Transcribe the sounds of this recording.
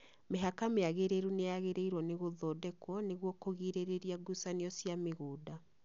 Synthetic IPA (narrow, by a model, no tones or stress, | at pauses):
meɦakameaɣeɾeɾuneaɣeɾeiɾwɔneɣoðɔːdɛkwɔneɣwɔkoɣiɾeɾeɾiaɡusaneɔsjameɣoːda